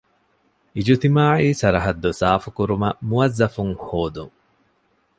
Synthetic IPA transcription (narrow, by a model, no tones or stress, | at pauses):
ʔid͡ʒut̪imaːʕiːsɐɾɐɦɐd̪ːosaːfukuɾumɐmuɐzːɐfuŋhoːd̪uŋ